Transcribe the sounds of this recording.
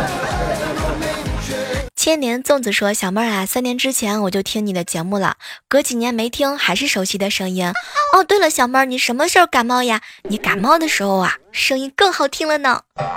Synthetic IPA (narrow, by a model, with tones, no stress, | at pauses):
t͡ɕʰjɛ˥nnjɛ˧˥nt͡sʊ˥˩ŋt͡sɹ̩˨˩ʂwɔ˥ɕjɑ˨˩mə˥˧a˩sa˥njɛ˧˥nʈ͡ʂɻ̩˥t͡ɕʰjɛ˧˥nwɔ˨˩t͡ɕjʊt̪ʰi˥ŋni˨˩d̪ə˦t͡ɕjɛ˧˥mu˥˩lə̰˩kɤ˧˥t͡ɕi˨˩njɛ˧˥nme˧˥ɪt̪ʰi˥ŋxa˧˥ɪʂɻ̩˥˩ʂo˧˥ʊɕi˧˥d̪ə˧ʂɤ˥ŋi˥nɔ˥˧t̪we˥˩ɪlə˩ɕjɑ˨˩ʊmə˞˥˧ni˨˩ʂə˧˥nmə˧ʂo˥˩ka˨˩nmɑ˥˩ʊja˨ni˧˥ka˨˩nmɑ˥˩ʊd̪ə˩ʂɻ̩˧˥xo˧ʊa̰˩ʂɤ˥ŋi˥nkɤ˥˩ŋxɑ˨˩ʊt̪ʰi˥ŋlə˨nɑ˨˩˦ʊ